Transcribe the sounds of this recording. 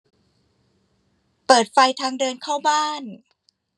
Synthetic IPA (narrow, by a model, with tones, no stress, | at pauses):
pɤː˨˩t̪̚fa˧jt̪ʰaː˧ŋdɤː˧nkʰaː˥˩wbaː˥˩n